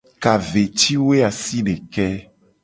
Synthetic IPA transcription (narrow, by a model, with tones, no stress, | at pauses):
ka˨ve˨t͡ʃi˦we˦a˨si˦nẽ˨kɛ˦